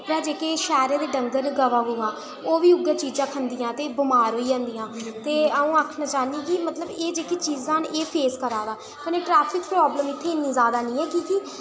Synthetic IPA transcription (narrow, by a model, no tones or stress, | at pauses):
pɾaːd͡ʒeːkeːʃɛːɾẽːd̪eːɖəŋɡənɡəʋaːɦuːãː | oːʋiːʊɡãːt͡ʃiːzãːkʰənd̪ijãːt̪eːbʊmaːɾɦoːiːd͡ʒãːnd̪iːãːt̪eːəũːaːkʰnãːt͡ʃaːnikimət̪ləbeːd͡ʒeːkiːt͡ʃiːzãːneːpʰeːskəɾaːd̪aː | pəneːʈɾɛːpʰɪkpɾɔːbləmɪt̪ʰːeːɪnːĩːzaːd̪aːnĩːɛːkiki